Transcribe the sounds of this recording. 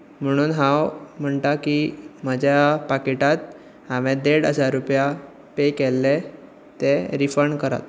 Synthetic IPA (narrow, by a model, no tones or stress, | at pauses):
m̤əɽ̃uːnɦãwm̤əɳʈakiməd͡ʑjapakeʈat̪ | ɦãʋẽd̪eɽəd͡zaɾːupja | pekɛlːe | t̪eɾifəɾɳkəɾa̰t̪̚